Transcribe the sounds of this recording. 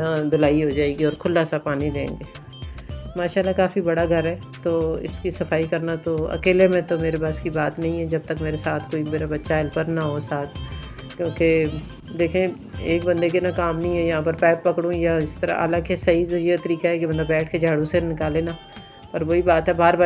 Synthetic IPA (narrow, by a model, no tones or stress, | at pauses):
nãd̪ʊlaːiɦod͡ʒaːeːɡiɔːɾkʰʊlːasapaːnid̪ẽːŋɡeː | maːʃaːlːakaːfibɐɽaɡʱɐɾɦɛ | t̪oːɪ̰skisɐfaːikɐɾnat̪oɐ̰keːlemẽt̪omeːɾepaːskibaːt̪nɐɦĩɦɛd͡ʒɐb̚t̪əkmeːɾesaːt̪ʰkoːimeːɾabɐtːʃaɦɪlpəɾnaɦosaːt̪ʰ | kjõːke | d̪eːkʰẽ | eːkbɐ̃nd̪ek̬enakaːmnəɦĩɦɛjɐɦãːpɐɾpɛːppɐkɽũjaɪst̪əɾa̰ɦa̰ːlãːkesɐɦit̪ojet̪ɐɾiːkaɦɛkebɐnd̪abɛːʈʰked͡ʒʱaːɽũsenɪkaːlẽːna | pːɾʋoːibaːt̪ɦɛbaːɾbaː